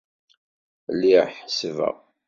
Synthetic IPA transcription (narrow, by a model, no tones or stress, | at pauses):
lːiħsvə̰ʁ